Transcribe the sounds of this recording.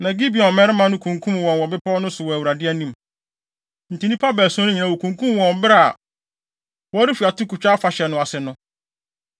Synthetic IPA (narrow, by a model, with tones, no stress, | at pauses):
nã˨ɡi˦bi˨ɔ̃˨mɛ̃˦ɾɪ˦mã˨nʊ̃˦kʰũ˨ŋkʰũ˦m˨wɔ̃˨nwɔ˨bɪ˦pʰɔ˦nʊ̃˦sʊ˨wɔ˨æ˨wɾa˨dɪ˦ɛ˦nĩ˨m | n̩˨tʰĩ˨nĩ˦pʰa˦bɛː˨sɔ˦nʊ̃˦ɲĩ˨nã˨wo˨kʰũ˨ŋkʰũ˦m˨wɔ̃˨mbɪ˦ɾa˦˨a̰˨ | wɔ˦ɾi˦fi˨a˨tu˦kʰu˨t͡ɕᶣa˦fa˨ɕɛ˨nʊ̃˨a˨sɪ˨nʊ̃˦